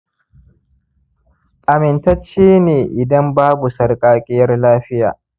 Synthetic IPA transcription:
ʔa˨mɪ˨ntɐ˦t͡ʃːiː˦neː˨ʔɪ˨dɐ˦mbaː˦bu˨sɐ˨rkʼaː˦kʲʼɪ˦jɐ˦rlaː˦ɸɪ˦ja̰ː˨

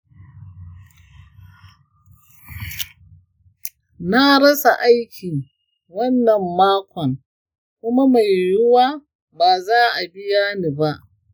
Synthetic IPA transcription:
na˦ɽɐ˦sa˨ʔa˦jkʲiː˨ | wɐ˦nːɐ˨mːaː˦kʷɔ˨ŋ | kʷʊ˦ma˦ma˨jːʊ˦waː˦ | baː˨zaː˦ʔa˨bɪ˦jaː˦niː˨ba˦ʔ

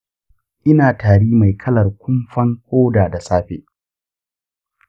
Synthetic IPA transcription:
ʔɪ˦naː˨taː˨ɽiː˦ma˨jkʰɐ˦lɐ˨rkʷʊ˦mɸɐ˦ŋhoː˦daː˨da˨saː˦ɸḛː˨

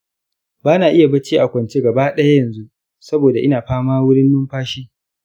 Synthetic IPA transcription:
baː˦naː˨ʔɪ˦ja˨bɐ˦t͡ʃiː˦ʔa˨kʷɐ˨nt͡ʃeː˦ɡɐ˨baː˦ɗɐ˦ja˦jɐ˨nzu˦ | sɐ˦boː˨da˨ʔɪ˦naː˨ɸaː˦maː˦wʊ˦ɽɪ˦nːʊ˦mɸaː˦ʃiː˦

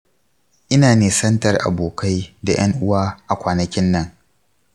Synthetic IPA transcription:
ʔɪ˦naː˨neː˨sɐ˦ntɐ˨rʔa̰˨boː˨ka˦jda˨j̰ɐ˦ŋʔʊ˦waː˦ʔa˨kʷaː˨nɐ˨kʲɪ˦nːɐ˦ŋ

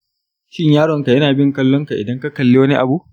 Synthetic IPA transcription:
ʃɪ˦ɲjaː˦ɽɔ˨ŋka˨jɐ˦naː˨bɪ˦ŋkɐ˦lːɔ˦ŋka˨ʔɪ˨dɐ˦ŋka˦kɐ˨lːeː˦wɐ˦ni˦ʔa̰˨bu˦ʔ

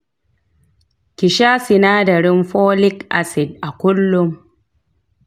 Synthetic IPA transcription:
kʲɪ˨ʃaː˦sɪ˨naː˦dɐ˨ɽɪ˦mɸoː˦lɪ˦kʔa̰˨sɪ˨d̚ʔa˨kʷʊ˦lːʊ˦m

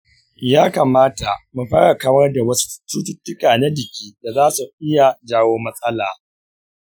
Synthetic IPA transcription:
jaː˦kaː˨maː˦ta˨mu˨ɸaː˦ɽa˨kaː˦mɐ˦rda˨wɐ˦su̥˦t͡ʃuː˦tʊ˨tːʊ˦kaː˨na˦d͡ʒɪ˨kʲiː˦da˨zaː˦su˨ʔɪ˦ja˨d͡ʒaː˦woː˦mɐ˦sʼɐ˦laː˨

